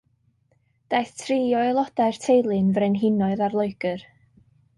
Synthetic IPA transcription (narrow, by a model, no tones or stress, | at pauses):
d̥ajθtʰriːɔɪlˠɔdaɨrtʰejlˠɨnvrenɦɪnɔɨðarlˠoɨɡ̥ɨr